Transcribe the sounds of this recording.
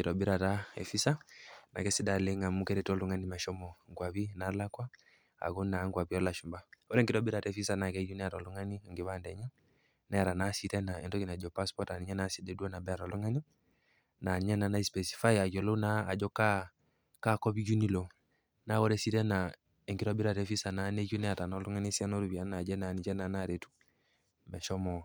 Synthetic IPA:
i˨ɾɔ˨bi˦ɾa˨ta˦ɛ̰˨fi˦sa˦na̰˨kɛ˦si˦da˨lɛ˦ŋa˨mu˦kɛ˦ɾɛ˨tɔ˦lu˨ŋa˦ni˦ma˨ʃɔ˦mɔ˨ŋɡwa˨βi˦na˨la˦kwa˦ | a̰˨ɡu˦na˨˦ŋɡwa˨pi˦ɔ˦la˨ʃu˨mba˦ɔ˦ɾɛ˦ŋɡi˨ɾɔ˦bi˦ɾa˨tɛ˦fi˦sa˦na˨kɛ˨˦d͡ʒu˦nɛ˦a˨ɾɔ˨lu˨ŋa˦ni˦a˨ŋɡi˨βa˦ndɛ˨ɲɛ˦ | nɛ˦a˨ɾa˨na˦si˦tɛ˦na˨ɛ˨ndɔ˦ki˨na˨d͡ʒɔ˨pa˦spɔ˦ta˨ni˨ɲa˦nasidɛ˨du˦ɔ˦na˨bɛ˦a˨ɾɔ˨lɔ˦ŋa˦ni˦ | na˨ni˨ɲɛ˦na˨na˦i˦spɛ˨si̥˨fa˦ja˨ɡɔ˨lo˦naː˦˨d͡ʒɔ˦ka˦ | ka˦kɔ˦bi˦d͡ʒu˦ni˦lo˨ | na˦wɔ˦ɾɛ˦si˦tɛ˦na˨ | e˨ŋki˦ɾɔ˦bi˦ɾa˨tɛ˦fi˦sa˨na˨ne˦ku˦nɛ˦a˨ɾa˨na˨˦lu˦ŋa˦ni˦si˦ɛ˦no˦ɾu˨bi˨a˦na˨d͡ʒɛ˦na˨ni˨d͡ʒɛ˦na˨na˦˨ɾe˨tu̥˦ | mɛ˨ʃɔ˦mɔ˨

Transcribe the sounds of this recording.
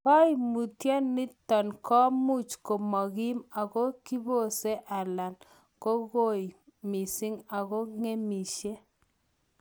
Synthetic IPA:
kɔ˦i˨mu˨tjɔ˦nːɪ˦tɔ˨nkɔ˦mu˦˨t͡ʃko˨mɔ˨ɣi˦ma˨ɣo˦ki˦bo˦˨se˦ʔa˨la˨n | ko˦ɣo˦˨i˨mi˨sɪ˦ŋa˨ɣo˦ŋe˦mi˨ʃe˦

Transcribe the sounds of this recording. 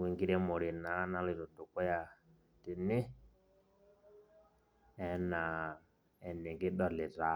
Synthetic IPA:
wi˨ŋɡi˦ɾɛ˦mo˨ɾi˨na˨˦na˦li˨ɾɔ˨tu˨kɔ˦ja˨ | ti˨nɪ˦ | ɛ˨na˨ | ɛ˨nɛ˨ŋɡi˦ɗɔ˨lɛ˨ta˨˦

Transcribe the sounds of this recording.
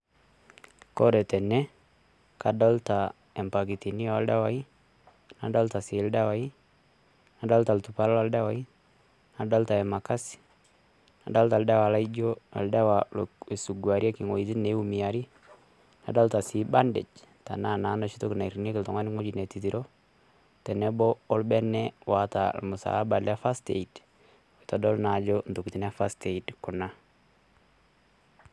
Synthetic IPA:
ko˦ɾɛ˨tɛ˨nɛ˦ | ka˨dɔ˦lta˨ | ɛ˨mpa˨ki˨ti˨ni˦a˨lda˦wa˦i˦ | na˨dɔ˦lta˨sɪ˨lda˦wa˨i˦ | na˨dɔ˦lta˨ltu˨pa˦lla˦lda˦wa˨˦i˦ | na˨dɔ˦lta˨ɛ˨ma˨ka˦si̥ | na˨dɔ˦lta˨lda˦wa˨la˦id͡ʒo˦a̰˨lda˦wa˨le˨su˨ɡwa˨ɾja˦kɪ˨ŋo˨iti˦ne˨˦u˦mi˨ja˨ɾi˦ | a̰˨da˦ltasiba˦ndɪ̰˨d͡ʒta̰˨na˦na˨˦na˨t͡ʃi˦to˦kna˨iɾine˦kɪ˨ltɔ˨ŋa˦nɪ˦ŋo˦d͡ʒine˨tit̬iɾo | tɛ˨nɛbɔː˦lbɛ˦nɛwa˨ta̰lmʊ˨sa̰˨la˦ba˨lɛfastḛ˨id | weta˨dɔ˦lnad͡ʒɔnto˨kiti˨nɛ˦fa˦steidkʊna˦

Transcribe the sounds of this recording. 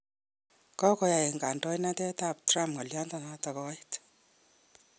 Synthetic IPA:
kɔ˦kɔ˦ja˨e˨ŋɡa˨ndɔ˦jna˦tɛ˦ta˦˨p̚tra˦mpŋa˨lja˦nta˦nata˨kɔ˦it

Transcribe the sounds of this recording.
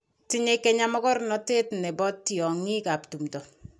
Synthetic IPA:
ti˦ɲekːɛ˦ɲa˦mɔ˦kɔ˦ɾnɔ˦te˦tnɛ˨bɔ˦tːjɔ˨ŋi˦ka˨ptu˨mtɔ˨

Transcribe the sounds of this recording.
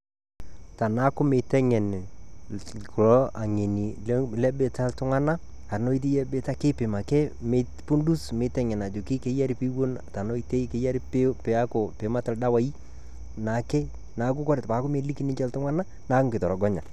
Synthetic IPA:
ta˨na˦kʊ˦mɪ˨tɛ˦ŋɛ˨n˨ | kɾɔ˦a˨ŋe˨ni˨llɛ˦bɪ˨ta˦ltʊ˦ŋa˦na˦ | a˨ɾno˦i˦t̬e˦jɛ˦bɪ˨ta˦kɪ˦pɪ˨ma˨kɛ˦me˨˦ | pu˦ndu˦smɪ˨˦tɛ˦ŋɛ˨na˨d͡ʒo˨kɪ˦ke˦ja˦ɾi˦pi˦wo˦na˨ta˨no˦i˦te˦ke˨˦ja˦ɾi˦pɪ˦pɪ˨a˦ko˨pɪ˨˦ma˦tɪ˨lda˦wa˦i˦ | na˨˦kɛ˦ | na˨˦k̬ʊ˦kɔ˦ɾɪ˨tpa˨˦kʊ˦me˨˦li˦ki˦nɪ˦t͡ʃɛ˦ltʊ˦ŋa˦na˦ | na˨˦kŋkɪ˨tɔ˨ɾɔ˨ɡɔ˦ɲa̰˨

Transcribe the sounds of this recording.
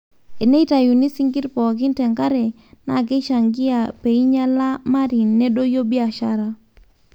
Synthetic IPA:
e˨ne˦i˦ta˨ju˨ni˦si˦ŋɡi˦ɾpɔ˨kɪ˦ntɛ˨ŋka˦ɾe˨ | na̰˨ɡe˦ʃa˨ŋɡɪ˦a˨pe˨i˦ɲa˦la˦ma˦ɾi˨nːe˦do˦jo˦bi˦a˨ʃa˦ɾa˦

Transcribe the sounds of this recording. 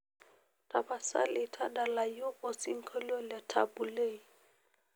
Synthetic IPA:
tʼa˨ba˨sa̰˦lɪ˨tʰa˦da˨la˨jo˦ʔo˨si˦ŋ̩˦kʰo˦lɔ˦la˨tʰa̰˨bu˨leː˦˨

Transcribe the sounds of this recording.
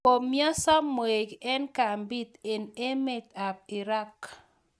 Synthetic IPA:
ko˨mjɔ˦sɔ˦mːo˨e˨ɡɛ˦nka˨mbi˦t̪e˨ne˦mɪ˦t̪a˨b̚ɪ˨ɾa˦k

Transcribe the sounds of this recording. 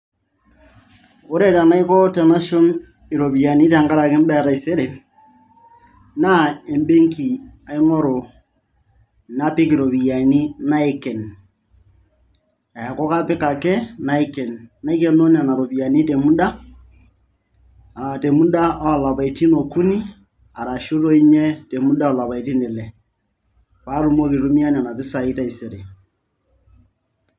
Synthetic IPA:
o˦ɾe˦˨ta˨na˦ɪ˦kɔ˦tɛ˨na˦ʃɔ˦n | ɪ˨ɾo˨bi˨ja˨ni˦ta˨ŋɡa˦ɾa˨kɪ˦m˦bɛ˦˨ɾa˨i˨se˦ɾe˨ | na˦e˨mbe˦ŋki˨a˨i˦ŋɔ˦ɾo˨ | na˦pɪ˦kɪ˨ɾo˨bi˨ja˨ni˦na˦i˨kɛ˨n | a˨kɔ˦ka˦pɪ˦ka˨kɛ˦na˦ɪ˦kɛ˨nːa˦i˦kɛ˦no˦ni˦a˨na˨ɾo˨bi˨a˨ni˦te˨mu˦da˦ | a˨te˨mu˦da˦˨la˨pa˨i˨ti˦no˨ku˦ni˦ | a̰˨ɾa˨ʃu˦ɾo˦i˦ɲɛ˦te˨mu˦da˦ɔ˨la˨pa˨i˨ti˦nɪ˨lɛ˨ | pa˦ɾu˦mo˦ki˨ɾu˦mi˦a˦ni˨a˨na˨pɪ˦sa˨ɪ˦ta˦i˨se˨ɾe˨

